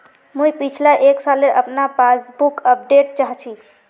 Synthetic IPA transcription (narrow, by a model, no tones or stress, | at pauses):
mũjpit͡ʃʰlaʔeksaleʔəpnapasbukəp̚ɖeʈ̚t͡ʃaɦt͡ʃʰi